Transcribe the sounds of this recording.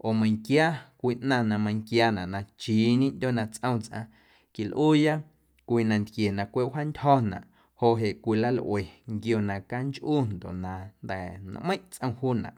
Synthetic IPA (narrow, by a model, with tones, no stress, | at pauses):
ʔo˨mə̃˧j̃ŋkjaː˦kʷiː˧ʔnã˧˨nã˧mə̃˧ŋkjaː˦nã˨ʔnã˧t͡ʃiː˨˦ɲĩ˦ʔndʲo˦˨nã˧t͡sʔə̃˦˧w̃t͡sʔã̰˧ | ki˨lʔuː˦ja˦ | kʷiː˧nã˧nd̪kje˨nã˧kʷe˦˨ʔha˦ndʲhɔ˦nã̰˨ʔ | ho˨ʔɦe˨ʔkʷi˧la˦lʔwe˨ŋɡjo˧nã˨ka˦nt͡ʃʔuː˦nd̪o̰˨nã˨nd̪ɛ˨n̰˧ʔmə̃˦ʔt͡sʔə̃˧w̃huː˦nã̰˨ʔ